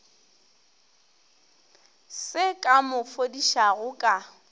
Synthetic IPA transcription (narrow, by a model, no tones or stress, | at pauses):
sɪkʼamʊfodiʃaɣʊkʼa